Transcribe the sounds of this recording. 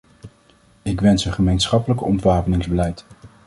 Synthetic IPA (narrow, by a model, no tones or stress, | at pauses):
ɪkʋɛnsəχəmejnsχɑpələkɔ̰ntʋaːpənɪŋzbəlɛjt